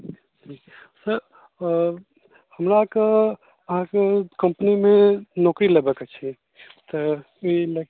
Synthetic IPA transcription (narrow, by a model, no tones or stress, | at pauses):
d͡ʒʰiː | səɾ | həmɾakə | əɦãkekəmpənimẽnɔːkɾilebəkət͡ʃʰi | t̪ə | ilə